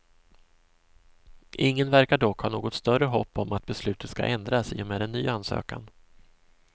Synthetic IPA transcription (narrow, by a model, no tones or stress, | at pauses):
ʔɪŋːənvæɾkaɖɔkhɑːnoːɡɔt̪st̪œɾəɦɔpːɔmat̪̚bɛslʉ̟ːt̪ət̪ska̰ʔɛnd̪ɾasḭːɔmeːd̪ɛnːyːansø̰ːka̰n